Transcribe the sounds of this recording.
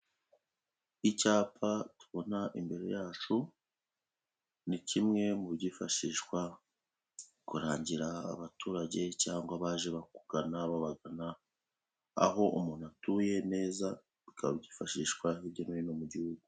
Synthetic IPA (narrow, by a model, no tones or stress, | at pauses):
icaːpʰatu̥βo̞naʔḭmbe̞ɾe̞̰jaːt͡ʃu | nicimŋe̞muβɟifaʃiːʃkwa | kuɾaːɲɟiɾa̰ːβatuːɾaɟe̞caːŋɡwaβaːʒe̞βaku̥ɡanaβaβaɡana | a̰ho̞ʔṵmuːnatuːje̞ne̞ːza | βikʰa̰βɟifaʃiʃkwahiβɟomeinomuɟihuɡu